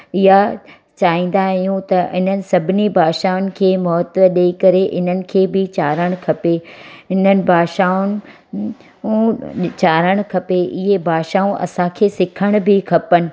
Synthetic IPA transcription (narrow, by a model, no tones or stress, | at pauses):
ɪɦa | t͡ɕaːĩːn̆d̪aɦijũt̪ɐʔɪn̤ənɪ̆sɐbʱɪnibʱaːʃaʊnɪ̆kʰeːmɔːt̪ʋəɗeikɐɾeʔɪn̤ənɪ̆kʰeːbɪt͡ɕaːɾəɽ̃kʰɐpeɪn̤ənɪ̆bʱaːʃaːʊnɪ̆ | t͡ɕaːɾəɽ̃kʰɐpeʔɪɦebʱaːʃaːũʔɐ̰sãkʰeːsɪkʰəɽ̃bʱɪkʰɐpənɪ̆